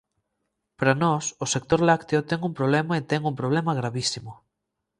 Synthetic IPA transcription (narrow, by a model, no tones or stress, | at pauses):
pɾanɔsʊsek̚t̪oɾlakt̪eʊt̪ɛŋumpɾoβ̞lɛmɐet̪ɛŋumpɾoβ̞lɛmɐɣɾaβisimʊ